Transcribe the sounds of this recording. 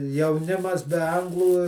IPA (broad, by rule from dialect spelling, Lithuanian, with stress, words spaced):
jɛʊˈnʲɪmɐs bʲɛ ˈɐŋɡlˠuː